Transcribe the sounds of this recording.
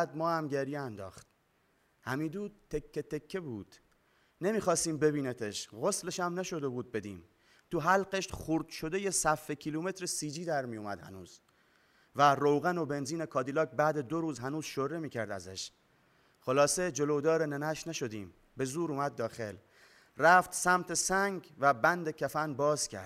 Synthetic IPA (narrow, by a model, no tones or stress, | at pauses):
d̪̚mɒːhæmɟeɾjeænd̪ɒ̰ːxt̪̚ | hæmiːd̪uːd̪̚t̪ʰːekʰːet̪ʰe̞kʰːebuːd̪̥ | nemiːxɒːst̪iːmbe̞βiːnet̪ʰeʃɣo̞sleʃæmnæʃo̞d̪e̞buːd̪̚be̞d̪iːm | t̪ʰuɦælɢeʃt̪χuɾd̪ʃo̞d̪e̞jesæfːecʰiluːme̞t̪ɾesiːd͡ʒiːd̪æɾmijomæd̪hæ̰nuːz̥ | værowɣæno̞be̞nziːnekʰɒːd̪ilɒːk̚bæːd̪e̞d̪o̞ɾuːzɦænuːz̥ʃoɾemiːkcʰæɾd̪æ̰zæ̰ʃ | χolɒːsed͡ʒo̞lod̪ɒːɾenenæʃnæʃo̞d̪iːm | be̞zuːɾuːmæd̪̚ːɒːxe̞l | ræft̪sæmt̪ʰe̞sæŋɟvæbænd̪ecʰæfænbɒːz̥cʲʰæ̰ɾd̪